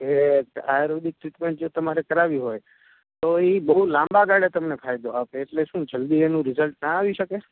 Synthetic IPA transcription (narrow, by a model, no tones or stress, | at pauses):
ekajɾod̪ik̚ʈɾiʈmẽɳʈ̚d͡ʒot̪əmaɾekəɾaʋiɦoj | t̪oibəɦulãmbaɡaɽet̪əmnepʰajd̪oapeːʈleʃũd͡ʒəld̪ienũɾɪzəlʈnaːʋiʃəke